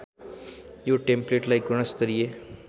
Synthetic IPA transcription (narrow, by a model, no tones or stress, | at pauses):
joːʈẽmpleːʈlaik̚ɡʊɽ̃əst̪əɾije